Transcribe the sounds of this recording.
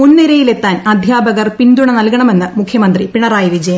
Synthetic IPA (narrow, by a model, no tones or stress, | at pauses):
munːiɾɐjile̞t̪ːaːnɐd̪ʱjaːbɐɣɐrpind̪uɳɐnɐlkɐɳɐme̞nːɨmukʰːjɐmɐnd̪ripiɳɐraːjiʋid͡ʑɐjɐm